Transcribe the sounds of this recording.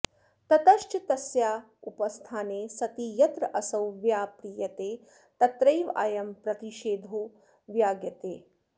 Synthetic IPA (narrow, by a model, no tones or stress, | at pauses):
t̪ɐt̪ɐʃt͡ʃit̪ɐsjaː | upɐst̪ʰaːneːsɐt̪ijɐt̪ɾɐʔɐsɐwʋjaːpɾiːjɐt̪eː | t̪ɐt̪ɾɐjʋa̰ːjɐmpɾɐt̪iʃeːd̪ʱoː | ʋjaːɡjɐt̪eː